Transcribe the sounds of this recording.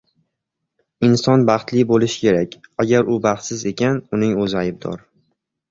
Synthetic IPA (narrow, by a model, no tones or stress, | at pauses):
ɪnsɒnbɑχt̪lɪbolɪʃɪ̥kʲe̞ɾakʲaɡʲaɾʊbɑχt̪sɪze̞kʲanʊnɪŋɵzɪajb̚d̪ɒ̰ɾ